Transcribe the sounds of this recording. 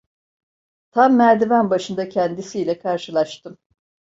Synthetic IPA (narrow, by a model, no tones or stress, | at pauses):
t̪ʰamːæɾd̪ivænbaʃɯnd̪acʰɛnd̪isiːlʲɛkʰaɾʃɯlˠaʃt̪ɯm